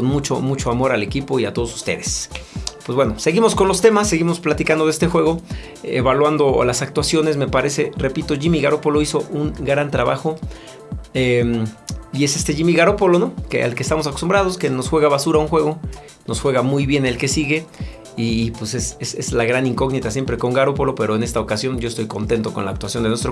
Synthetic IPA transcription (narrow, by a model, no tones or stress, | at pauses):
onmut͡ʃo̰mut͡ʃo̞amo̞ɾale̞kipo̞iat̪o̞ð̞osu̥st̪e̞̰ðe̞spwezβweno̞se̞ɣimo̞sko̞nlo̞st̪e̞masːe̞ɣimo̞splat̪ikand̪oest̪e̞xwe̞ɣo̞ | ḛβalwand̪o̞lasak̚t̪wasjo̞ne̞sme̞paɾe̞se̞re̞pit̪o̞ʝimiɣaɾo̞po̞lo̞iso̞ʔuŋɡɾant̪ɾaβa̰xo̞ | emie̞se̞st̪e̞ʝimiɣaɾo̞po̞lo̞nokeʔa̰lkest̪amo̞s̬ako̞st̪umbɾað̞o̞ske̞no̞sxwe̞ɣaβasuɾaunxwe̞ɣo | no̞sxwe̞ɣamujβje̞ne̞lke̞siɣe̞ | iːpwesesesezlaɣɾaniŋko̞ɣnit̪asje̞mpɾe̞ko̞ŋɡaɾo̞po̞lo̞pe̞ɾo̞ene̞st̪aokasjo̞nɟ͡ʝo̞est̪ojko̞nt̪e̞nt̪o̞ko̞nla̰ːk̚t̪wasjo̞nd̪enwest̪ɾo